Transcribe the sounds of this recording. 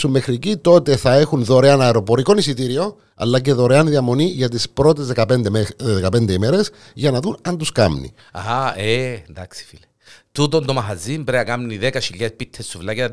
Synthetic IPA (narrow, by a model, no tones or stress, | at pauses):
sumːexɾicit̪o̞t̪e̞θɐe̞xunðo̞ɾeɐnɐeɾo̞po̞ɾiko̞nisit̪iɾio̞ | ɐ̰lːɐc̬e̞ðo̞ɾeɐnðiɐmo̞niʝɐt̪ispɾo̞t̪ezðekɐpend̪ðekɐpend̪eimeɾe̞s | ʝɐnɐðunɐnt̪uskɐ̰mnḭ | aend̪ɐksi̥file | t̪ut̪ond̪omɐɦɐzimbɾeɐkɐmniðekɐʃiʎːespit̪ʰːest̪uvlɐkɐ